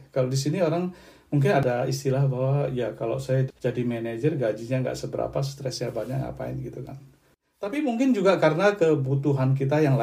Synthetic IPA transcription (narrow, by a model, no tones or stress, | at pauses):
kalodisinioɾaŋ | muŋk̬ɪnadaḭst̪ilahbaɦwaijakala̰wsajad͡ʒadimɛned͡ʒərɡad͡ʒiɲaŋɡa̰ʔsəbəɾa̰past̪ɾɛsɲabaɲakŋɡa̰ʔpa̰ɪ̰nɡit̪uka̰n | t̪apimuŋkɪnd͡ʒuɡakaɾənakəbut̪uɦank̬it̪ajaŋla